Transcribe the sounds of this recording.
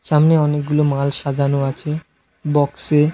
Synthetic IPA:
ʃamneɔnek̚ɡulomalʃad̪ʱanoat͡ɕʰe | bɔkse

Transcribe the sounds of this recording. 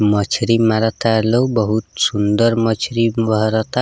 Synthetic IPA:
mʌt͡ʃʰɾimaɾʌt̪alowbʌɦut̪̚sund̪ʌɾmʌt͡ʃʰɾimbʌɦɾʌt̪a

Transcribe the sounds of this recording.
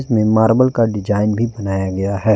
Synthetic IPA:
zmẽmaːɾbəlkaɖɪd͡ʒaːɪnbʱibɐnaːjaɡɐjaɦɛː

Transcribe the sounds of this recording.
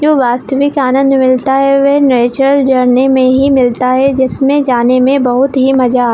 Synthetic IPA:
d͡ʒoːʋaːst̪əʋɪkaːnə̃nd̪mɪlt̪aɦɛʋɛneːt͡ʃɾəld͡ʒɐɾnemẽɦimɪlt̪aɦɛd͡ʒɪsmẽd͡ʒaːnemẽbɐɦʊt̪ɦimɐd͡ʒa

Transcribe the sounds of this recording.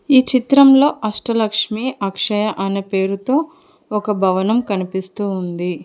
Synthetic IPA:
iːt͡ʃit̪ɾɐmlo̞ːʔɐʂʈɐlɐkʂmiʔɐkʂɐjɐʔɐnɐpe̞ːɾut̪o̞ː | ɔkɐbʱɐʋɐnɐmkɐnipist̪uːund̪i

